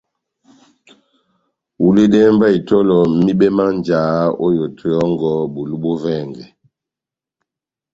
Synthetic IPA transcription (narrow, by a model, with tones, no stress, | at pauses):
u˨le˦dɛ˦m˦ba˦i˨tɔ˦lɔ˨mi˦ɓɛ˦ma˦nd͡ʒaː˨˦ɔ˦jo˨tʰɔ˨jɔ˦ŋɡɔ˦bu˨lu˦bɔ˦vɛ˦˨ŋɡɛ˨